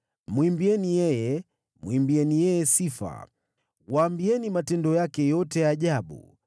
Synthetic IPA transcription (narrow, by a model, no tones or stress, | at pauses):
mwimbiɛnijɛjɛ | mwimbiɛnijɛjɛsifa̰ | waːmbiɛnimatɛndɔjakɛjɔtɛjaːʄaɓṵ